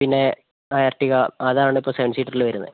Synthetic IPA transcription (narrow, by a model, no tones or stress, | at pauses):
pinːe̞ | ɐjarʈːiɣɐɐðaːɳɨipːoːseʋɐnɖsiːʈːɐrilʋɐɾunːɐðɨ